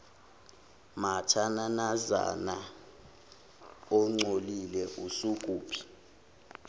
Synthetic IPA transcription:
matʰananaza̰na | ɔŋ͡ǀolilɛʔusukʼuːpʰi̥

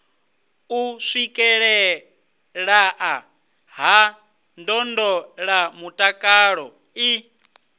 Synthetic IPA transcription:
usʷikʼɛɺɛ | ɺaʔa | ɦa | ndɔndɔɺamutʼakʼaːɺɔ | i

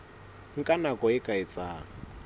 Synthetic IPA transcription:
ŋ̩kʼanakʼɔɪkʼaɪt͡sʼaːŋ̩

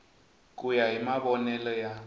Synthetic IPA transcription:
k̬ʼujaɦimaβɔnɛlɔja

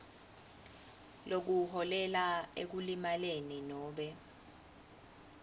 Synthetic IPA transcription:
lok̬uɦɔlɛlaḛk̬ulimaleninɔːɓɛ

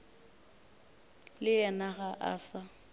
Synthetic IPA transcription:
lɪɛnaɣaʔa̰ːsa

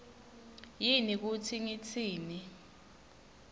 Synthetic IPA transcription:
jinik̬utʰiŋit͡sʰiːni

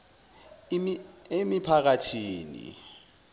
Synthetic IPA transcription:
emipʰak̬atʰiːnḭ

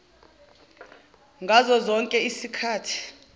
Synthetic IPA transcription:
ŋɡʱazɔzɔŋkʼɛisikʰaːtʰi̥

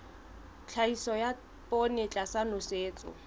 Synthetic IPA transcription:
t͡ɬʰaisɔja | pʼonɪt͡ɬʼasanʊseːt͡sʼʊ̰

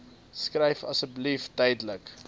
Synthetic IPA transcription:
skrɛjfɐ̰səbliftɛjdələk

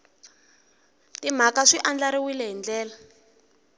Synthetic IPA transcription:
tim̤akaʂiʔand͡ɮaɾiwilɛɦind͡ɮɛːla

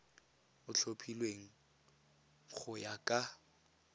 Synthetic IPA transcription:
ʊt͡ɬʰopʰilweŋ̩ | k͡xʰʊjakʼa

